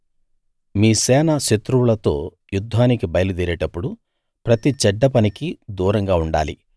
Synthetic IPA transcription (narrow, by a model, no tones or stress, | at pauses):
miːsɛːnɐʃet̪ɾuwulɐt̪o̞̰ː | jud̪ʱːaːnikibɐjɐlud̪iːɾeːʈɐpːuɽu | pɾɐt̪it͡ʃɛɖːɐpɐnikid̪uːɾɐŋɡaːuɳɖa̰ːlḭ